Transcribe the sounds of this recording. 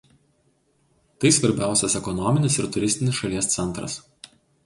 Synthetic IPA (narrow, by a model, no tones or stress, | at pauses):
t̪ɐɪsʋɐɾʲbʲæˑʊsʲɛsɛkɔnɔmʲɪnʲɪsɪɾt̪ʊɾʲɪsʲt̪ʲɪnʲɪsʃɐlʲiɛst̪sʲɛnˑt̪ɾɐ̰s